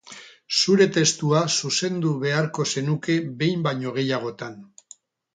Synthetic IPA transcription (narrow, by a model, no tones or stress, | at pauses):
suɾe̞t̪e̞st̪uasuse̞nd̪uβe̞aɾko̞se̞nuke̞βe̞jmbaɲo̞ɣ̞e̞jaɣ̞o̞t̪an